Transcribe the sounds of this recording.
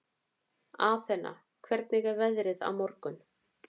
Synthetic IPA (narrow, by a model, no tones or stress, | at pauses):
aθɛnːa̰ | kʰvɛɾt̪nɪɣɛɾvɛðɾɪða̰wmɔɾkʏn